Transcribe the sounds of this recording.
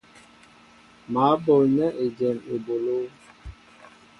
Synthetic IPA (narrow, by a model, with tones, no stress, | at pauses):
maː˨˦bɔ˨lɲɛ˦ʔe˨d͡ʒɛ˨me˨bo˨lo˦